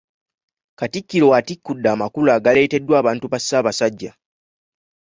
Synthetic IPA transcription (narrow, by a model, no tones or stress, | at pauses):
katikːilo̞watikːudːaːmakulaːɡale̞ːte̞dːwaːβaːntuβasːaːβasaɟːa